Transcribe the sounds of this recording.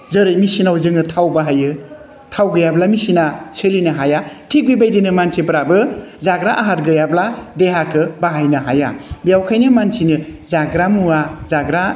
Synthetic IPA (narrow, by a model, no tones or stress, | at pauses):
zɯɾɯjmisinawzɯŋɯtʰawbaɦajɯ | tʰawɡɯjablamisinaselinɯɦajatʰik̚bibajdinɯmansʰepɾabɯzaɡɾaʔaɦatɡɯjabladeɦakʰɯbaɦajnɯɦaja̰bijawkʰajnɯmansinɯzaɡɾamuazaɡɾa